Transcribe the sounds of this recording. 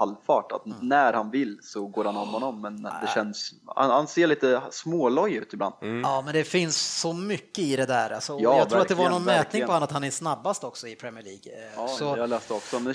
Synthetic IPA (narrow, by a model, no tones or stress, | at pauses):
alːfɑːʈa̰t̪næɾhanvɪlːsɔɡoːɾhanɔmhɔnːɔmːɛnd̪ɛɕɛnːsha̰nhanseːɭiːt̪əsmoːlɔjʉ̟ːt̪ɪbla̰nd̪̥ɑːmɛnd̪ɛfɪnsːɔmʏkːəɪd̪ɛd̪æːɾalsɔɑːjɑːt̪ʰuːɾat̪d̪ɛvanɔnmɛːt̪nɪŋpɔhanːəat̪hanɛsnabːast̪ɔksɔɪpʰɾɛmɪəɭiːɡsɔɑlɛst̪ɛɔksɔmɛ